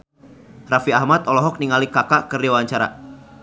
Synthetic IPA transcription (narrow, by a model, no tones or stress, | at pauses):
rafiahmat̪ɔlɔɦɔk̚niŋalikakakɨrdewaɲt͡ʃaɾa̰